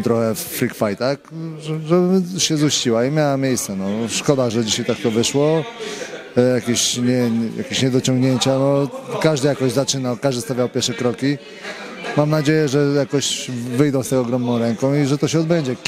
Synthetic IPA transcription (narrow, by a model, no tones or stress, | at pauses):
t̪ɾɔxɛfːɾikfajt̪akʐɛʐɛbɕɛzuɕt͡ɕiwaimʲjawamʲjejst̪sɛnɔʂkɔd̪aʐɛd͡ʑiɕajt̪ak̚t̪ɔvɘʂwɔ | jakʲeɕɲɛja̰kʲeɕɲɛd̪ɔt͡ɕɔ̃ŋɡɲeɲt͡ɕanɔkaʐd̪ɘjakɔʑzat͡ʂɘnawkaʐd̪ɘst̪avʲjawpʲjɛɾʂɛkɾɔkʲi | mamnad͡ʑejɛʐɛjakɔɕvɘjd̪ɔ̃w̃st̪ɛɔɡɾɔmnɔ̃w̃ɾɛŋkɔ̃w̃iʐɛt̪ɔɕɛɔd̪bɛɲd͡ʑɛ